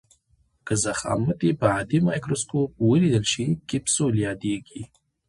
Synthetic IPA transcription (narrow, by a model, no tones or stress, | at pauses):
kɨzaχa̰mɨt̪ʼipʰaad̪imajkʼɾoskʰʼop̚wəlid̪əlʂikʲʼipsoljad̪eɡʲi